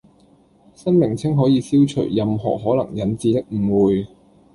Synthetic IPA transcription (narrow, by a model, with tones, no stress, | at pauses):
sɐ˥nmɪ˨˩ŋt͡sʰɪ˥ŋɦɔː˨˥jiː˨˧siː˥wt͡ʃʰɵ̰˨˩jːɐ˨mɦɔ̰ː˨˩ɦɔː˨˥lɐ˨˩ŋjɐ˨˥nt͡siː˧t̪ɪ˥k̚m̩˨˩wuː˨j